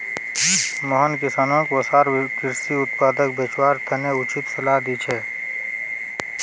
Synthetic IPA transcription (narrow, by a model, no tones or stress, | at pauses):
moɦənkɪsaːnõːkʋɐsaːɾkɪɾsiʊt̪̚paːd̪ək̚bet͡ʃwaːɾt̪ʰɐneʊt͡ʃɪt̪sɐlaːd̪iːt͡ʃʰeː